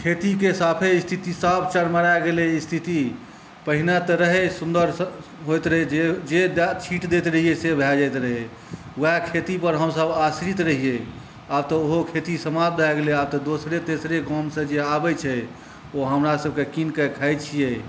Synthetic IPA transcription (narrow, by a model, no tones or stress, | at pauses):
kʰet̪ikesapʰeist̪ʰit̪isapʰt͡ʃəɽməɽaɡeleist̪ʰit̪i | pəɦinat̪əɾəɦɛsund̪əɾ | ɦojt̪ɾəɦɛd͡ʒed͡ʒed̪t͡ʃʰiʈd̪et̪ɾəɦijesebʱɛd͡ʒajt̪ɾəɦe | ʋəɦɛkʰet̪ipəɾɦəmsəbasɾit̪ɾəɦije | abt̪ɔoɦokʰet̪isəmab̚d̪ʱajɡeleaːb̚t̪ɔd̪osɾet̪esɾeɡɔ̃msə̃d͡ʒeabɛt͡ʃʰɛ | oɦəmɾasəb̚kekinkəkʰəjt͡ʃʰijɛ